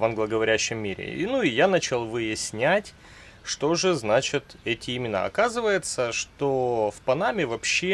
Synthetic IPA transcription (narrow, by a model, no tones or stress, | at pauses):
vɐnɡlˠəɡəvɐɾʲæɕːɪmːʲiɾʲɪ̰nuɪjanat͡ɕɪlˠvɨjɪsʲnʲætʲ | ʂt̪o̞ʐɨznat͡ɕɪt̪ɛtʲɪɪmʲɪna̰ɐ̰kazɨvəjɪt̪səʂt̪ofpɐnamʲɪvɐpɕːe